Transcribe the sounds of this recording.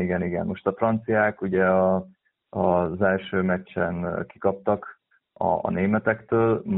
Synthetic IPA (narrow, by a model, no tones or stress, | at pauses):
iɡɛniɡɛ̰nmo̞ʃt̪ɒfrɒnt̪sijaːkuɟɛɒ | ɒzɛlʃøːmɛt͡ʃːɛnki̥kɒp̚t̪ɒk | ɒ̰ːneːmɛt̪ɛkt̪øːl